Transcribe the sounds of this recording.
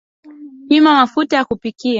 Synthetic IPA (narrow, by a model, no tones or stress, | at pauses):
pimamafutajakupikia